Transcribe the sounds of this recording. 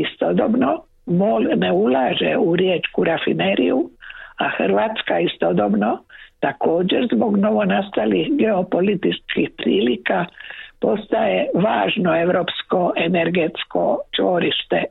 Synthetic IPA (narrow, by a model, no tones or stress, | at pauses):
ist̪od̪obno | molneulaːʒḛuɾjeːt͡ʃkuɾafḭneɾḭjuaxr̩ʋaːt̪skaist̪od̪o̞bno̞t̪ako̞ːd͡ʑeɾzbo̞ɡno̞ʋo̞nast̪alihɡe̞o̞po̞lit̪iskixpɾiːlikapo̞st̪aje̞ʋaːʒno̞e̞ʋɾo̞ːpsko̞ʔe̞neɾɡe̞t̪sko̞̰t͡ʃʋo̞ɾiʃt̪e̞